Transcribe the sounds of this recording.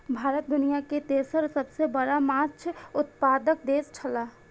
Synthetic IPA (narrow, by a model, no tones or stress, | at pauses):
bʱaːɾət̪̚d̪ʊnijaket̪eːsəɾsəbsebəɽamat͡ʃʰʊt̪paːd̪ək̚d̪eːst͡ʃʰəlaː